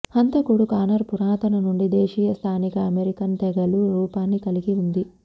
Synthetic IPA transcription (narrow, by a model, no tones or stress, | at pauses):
hɐnt̪ɐkuɽukaːnɐɾpuɾaːt̪ɐnɐnuɳɖid̪ɛːʂiːjɐst̪ʰaːnikɐɐmeɾikɐnt̪ɛɡɐluɾuːpaːnːikɐliɡiund̪i